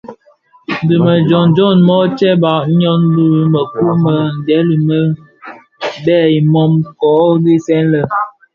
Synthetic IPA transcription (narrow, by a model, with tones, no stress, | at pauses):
n̩˨di˨mə˨d͡ʒɔ˨nd͡ʒɔ˦˨nmɔ˦t͡ʃɛ˦ba˨ʔɲɔ˦n˦lu˦mə˨ku˦mə˦˨n̩˨dɛ˨˦li˨mə˦ | bɛ˦˨i˨mɔ˦mkɔ˨˦ɡi˦sɛ˦nlə˦˨